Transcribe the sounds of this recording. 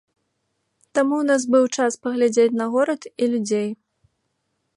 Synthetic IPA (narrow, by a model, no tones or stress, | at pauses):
t̪amunasbɨwt͡ʂaspɐɣlʲad͡zʲet͡sʲnɐɣɔɾɐt̪ilʲud͡zʲej